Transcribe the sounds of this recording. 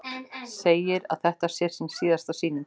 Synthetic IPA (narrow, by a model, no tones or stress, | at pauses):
seːjɪɾa̰ðθɛht̪ḁsjɛɾ̥sɪnsiːðast̪asiːnɪm